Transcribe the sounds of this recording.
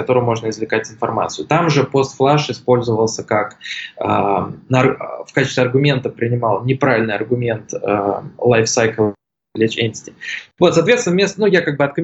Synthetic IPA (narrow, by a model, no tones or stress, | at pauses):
ɐt̪o̞ɾʊjʊmo̞ʐnəɪzvlʲɪkatʲɪnfɐrma̰t̪sɨjʊt̪amʐɨpo̞st̪flˠaʂɪspo̞lʲzəvəlˠsʲəkakənəfkat͡ɕɪst̪vʲɐrɡʊmʲe̞nt̪əpɾʲɪnʲɪmalˠnʲɪpɾavʲɪlʲnɨjɐrɡʊmʲe̞nt̪ə̰lˠajfsajklˠ | lʲet͡ɕenʲtʲɪ̥tʲɪ̥vo̞t̪sɐːt̪vʲetst̪ʲnvmʲest̪ənujakaɡ̚bɨɐt̪̚kəmʲɪ